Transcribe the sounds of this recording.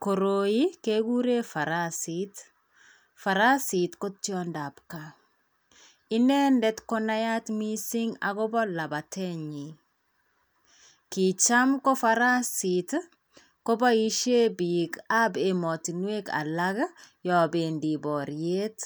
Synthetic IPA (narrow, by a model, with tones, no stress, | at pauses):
ko˨ɾo˨ji˦ke˦ɡu˦ɾe˦fa˨ɾasit | fa˨ɾa˦si˨tko˦tjɔ˦nda˨pka˨ | i˦nɛ˦ndɛ˦tkɔ˦na˦ja˦tmi˦si˦ŋa̰˨ɡɔ˦bɔ˦la˨ba˨tɛ˦ɲi˨ | ki˨t͡ʃa˦mkɔ˦fa˦ɾa˦sit | ko˦ba˦i˦ʃe˦bi˨ka˦be˨mɔ˨ti˨nwe˦ka̰˨la˦ɡjɔ˨be˨ndi˨bɔ˨ɾje˦t